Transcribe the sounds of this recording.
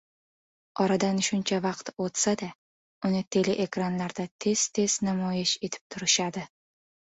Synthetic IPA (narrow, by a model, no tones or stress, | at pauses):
ɒɾad̪anʃʊnt͡ʃʰavɑqt̪ot̪sad̪a | ʊnɪt̪ʰe̞leʔe̞kɾanlaɾd̪at̪ʰe̞z̥t̪ʰe̞z̥namɒjɪʃe̞t̪ʰɪ̥p̚t̪ʰʊɾɪʃad̪ɪ